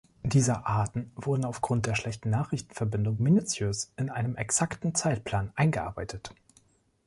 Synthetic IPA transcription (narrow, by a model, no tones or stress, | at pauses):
d̥iːzɐʔaɐtn̩vʊɐdn̩aʊfɡ̥ʁʊnt̚d̥eːɐʃlɛçtn̩naːχʁ̥ɪçtn̩fɛɐbɪndʊŋminut͡sjøːsɪnʔaɪnəmɛksaktn̩t͡saɪt̚pʰl̥aːnʔaɪnɡəʔa̰ɐbaɪtʰət